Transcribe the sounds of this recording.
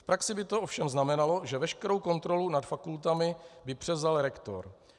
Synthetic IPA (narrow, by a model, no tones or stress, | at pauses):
fpɾaksɪbɪt̪oʔo̞fʃɛmznamɛnalo̞ʒɛvɛʃkɛɾo̞wko̞nt̪ɾo̞lunat̪fakult̪amɪbɪpr̝̥ɛvzalɾɛkt̪o̰ɾ